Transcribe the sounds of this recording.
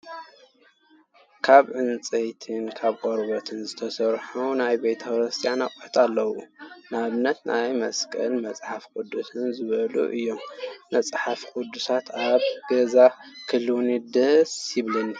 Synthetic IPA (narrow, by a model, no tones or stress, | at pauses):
kʰaβʕɨnt͡sʼɐjt̪ʰɨnkʰaβkʼoɾbot̪ʰɨnzɨt̪ʰɐsɐɾħunajbejt̪ʰɐkɾɨst̪ʰʼijanakʼħt̪ʼalːɐwṵnaβɨnːɐt̪nʔajmɐskʼɐ̰lmɐt͡sʼħafkʼud̪ːusɨnzɨβɐlṵʔɨjːomːɐt͡sʼħafkʼud̪usat̪aβɡɐzakʰɨluwnid̪ɐsiβlɐnːi